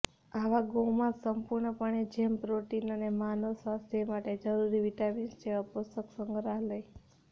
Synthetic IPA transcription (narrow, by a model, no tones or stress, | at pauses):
aʋaɡõmãsəmpuɾɳəpəɳed͡ʒempɾoʈinənemanosʋast̪ʰemaʈed͡ʒəɾuɾiʋiʈaminst͡ʃʰeʋapust̪əksəŋɡʱɾaɦləj